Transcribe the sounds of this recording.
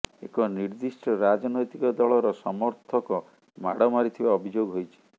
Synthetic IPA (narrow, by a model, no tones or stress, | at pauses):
ekɔniɾd̪isʈɔɾad͡ʒɔnɔjt̪ikɔd̪ɔɭɔɾɔsɔmɔɾt̪ʰɔkɔ | ma̰ɽɔmaɾit̪ʰibaɔbʱid͡ʒoɡɦojt͡ʃʰi̥